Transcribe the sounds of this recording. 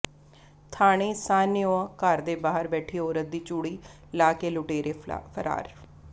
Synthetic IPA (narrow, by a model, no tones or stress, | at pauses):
t̪ʰaːɽ̃eːsaːnɪjõːkəɾd̪eːbaːɦəɾbɛːʈʰiːoːɾət̪̚d̪iːt͡ʃuːɽiː | laːkeːlʊʈeːɾeːpʰəɾa̰ːɾ